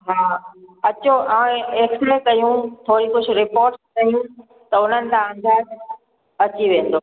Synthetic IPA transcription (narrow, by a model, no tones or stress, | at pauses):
ɦaːɐt͡ɕoãːeːksɾekɐjũt̪ʰoːɾikʊd͡ʑʰʊɾɪpoːɾʈskɐjũ | t̪ɐʊn̤ənɪ̆t̪ʰããn̆d̪aːz | ɐt͡ɕiʋẽːn̆d̪oː